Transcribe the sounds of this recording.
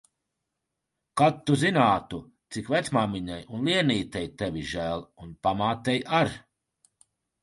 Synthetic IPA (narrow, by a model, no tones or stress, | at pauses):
kat̪ːuzinaːt̪u | t̪sikvɛt̪smaːmiɲajunlˠiɛniːt̪ɛjt̪ɛviʒæːlˠunpamaːt̪ɛjaɾ